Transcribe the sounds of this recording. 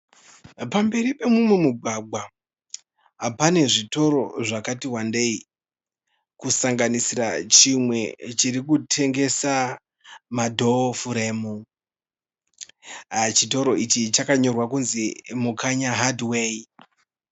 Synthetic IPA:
pambe̞ɾipe̞mumwe̞muɡʱaɡʱwa | pane̞ʐito̞ɾo̞ʐakatiɦwande̞i | kusaŋɡanisirat͡ʃimwe̞t͡ʃiɾikutʰe̞ŋɡe̞sa | madʱo̞fuɾemu | t͡ʃito̞ɾo̞it͡ʃit͡ʃakaɲo̞rwakunzimukaɲaɦadwei

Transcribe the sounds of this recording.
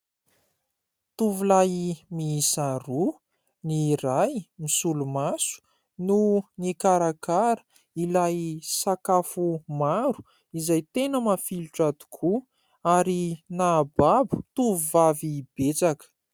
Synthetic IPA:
t̪uvulajmisaɾu | niɾajmisulumasu̥ | nunikaɾakaɾə̥ | ilajsakafumaɾu̥ | izajt̪enəmafiluʈ͡ʂad̪u̥kʰu | aɾinababu̥t̪uvuvavib̥et͡sakə̥

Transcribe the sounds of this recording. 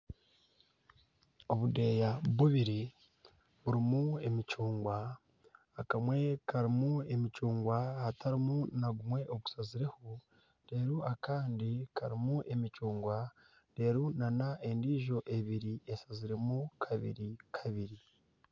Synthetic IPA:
o̞βude̞ːjaβuβiɾi | βuɾimue̞mit͡ʃuːŋɡwaː | kamwe̞kʰaɾimue̞mit͡ʃuːŋɡwahatʰaɾimunaɡumwe̞ʔo̞ɡu̥saziɾe̞ho | ɾe̞ːɾuakaːndikʰaɾimuʔe̞mit͡ʃuːŋɡwa | ɾe̞ːɾunanaʔe̞ndiːʒo̞ʔe̞βiɾie̞saziɾe̞mukʰaβḭɾikʰaβiɾi

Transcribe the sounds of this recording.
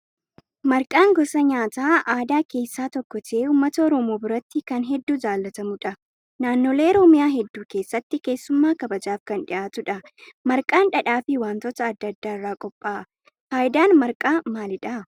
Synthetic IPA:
mɐɾkʼaːŋɡɔsɐɲaːt̪aːʔaːd̪aːke̞ːsːaːt̪ɔkːɔt̪ʰɪeːuːmːɐt̪ɐɔɾɔmoːbɪɾɐt̪ːɪkɐnɦɛd̪ːuːd͡ʒaːlːɐt̪ɐmʊᶑɐ | naːnːoːleːɔɾɔmɪjaːɦɛd̪ːuːke̞ːsːɐt̪ːɪke̞ːsːʊmːaːkɐbɐd͡ʒaːfkɐnᶑɪʔaːt̪ʊᶑɐ | mɐɾkʼaːnᶑɐᶑaːfɪwaːnt̪ɔt̪ɐːd̪ːɐd̪ːaːɪrːaːkʼɔpʼːaːʔ | faːjɪd̪aːnmɐɾkʼaːmaːlɪᶑɐ

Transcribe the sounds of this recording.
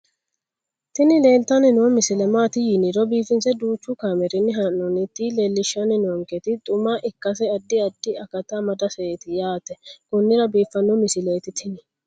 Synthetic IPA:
t̪ɪnɪleːlt̪ɐnɪnɔmɪsɪlɛmaːt̪ɪjɪnɪɾɔbiːfɪnsɛd̪uːt͡ʃːʊkaːmɛɾɪnːɪɦanːɔnɪt̪ːileːlːɪʃːɐnɪnɔŋkɛt̪ɪt̪ʼʊmaːʔɪkːɐs̬ɛɐd̪ːɪɐd̪ːɪɐkɐt̪amɐd̪ɐsɛeːt̪ɪjaːt̪ɛkʊnːɪɾɐbiːfːɐnːɔmɪsɪleːt̪ɪt̪ʰɪnɪ

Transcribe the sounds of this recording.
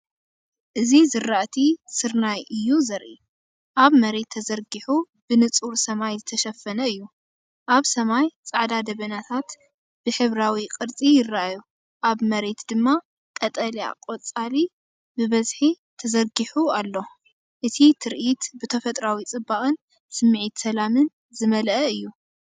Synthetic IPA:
ʔɨzizɨɾaʔt̪ʰisɨɾnajʔɨjːuzɐɾʔi | ʔaβmɐɾe̞t̪ʰːɐzɐɾɡiħu | b̥ɨnɨt͡sʼuɾsɐmajzɨt̪ʰɐʃɐfːɐnɐɨjːu | ʔaβsɐmajt͡sʼaʕd̪ad̪ɐβɐnat̪ʰat̪ | b̥ɨħɨβɾawiqʼɨɾt͡sʼijɪrːaaju | ʔaβmɐɾe̞t̪d̪ɨmːa | kʼɐt̪ʼɐlia̰kʼot͡sʼali | bɨβɐzħi | t̪ʰɐzɐɾɡiħualːo̞ | ʔɨt̪ʰit̪ʰɨɾʔit̪bɨt̪ʰɐfɐt̪ʼɾawit͡sʼɨbːaχʼɨn | sɨmːʕit̪sɐlamɨn | zɨmɐlʔɐɨjːu

